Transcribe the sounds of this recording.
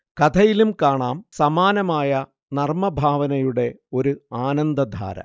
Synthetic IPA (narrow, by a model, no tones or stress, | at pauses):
kɐt̪ʰɐjilumkaːɳaːmsɐmaːnɐmaːjɐ | nɐrmɐbʱaːʋɐnɐjuɽe̞ | o̞ɾuaːnɐnd̪ɐd̪ʱa̰ːɾɐ̰